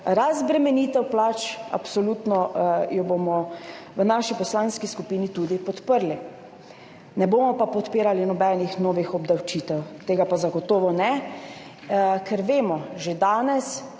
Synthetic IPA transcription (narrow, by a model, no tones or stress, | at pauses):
ɾazbɾɛmɛniːt̪ɛwplat͡ʃa̰psɔlut̪nɔjɔbomɔ | ʋənaʃipɔslaːnskiskupiːnit̪ud̪ipɔt̪pəɾli | nɛboːmɔpapɔt̪peːɾalinɔbɛnixnoːʋixɔbd̪awt͡ʃit̪ɛwt̪eːɡapazaɡɔt̪oːʋɔnɛ | kʰɛɾʋeːmɔʒed̪aːnɛs